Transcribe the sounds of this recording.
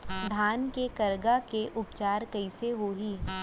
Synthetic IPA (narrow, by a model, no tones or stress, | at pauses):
d̪ʱaːnkekɐɾɡakeʔʊpt͡ʃaːɾkɐɪseɦoːɦiː